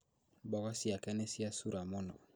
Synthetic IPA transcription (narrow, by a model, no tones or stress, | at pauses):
bɔɣasiakɛnɛsiasuɾamɔnɔ